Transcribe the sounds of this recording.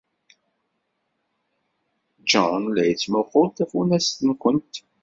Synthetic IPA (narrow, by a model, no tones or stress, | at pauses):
d͡ʒɑnlæjət͡sːmoχolt̪æfunæst̪ənkʷənt̪